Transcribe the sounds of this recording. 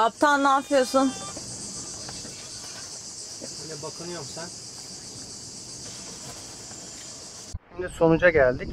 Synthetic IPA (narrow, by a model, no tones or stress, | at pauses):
ap̚t̪ʰanːaːfɯjosun | anɛbakʰɯnɯjomsan | ʃimd̪iso̞nud͡ʒaɟælʲd̪ic